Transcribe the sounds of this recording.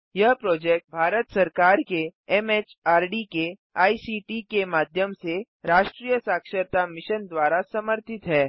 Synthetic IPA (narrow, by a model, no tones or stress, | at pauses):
jɐɦpɾɔːd͡ʒeːk̚ʈ̚bʱaːɾət̪sɐɾkaːɾkeɛmeːt͡ʃaːɾɖike | aːisiːʈikemaːd̪ʱjəmse | ɾaːʃʈɾijəsaːkʃəɾt̪amɪʃənd̪waːɾasɐməɾt̪ɪt̪ɦɛː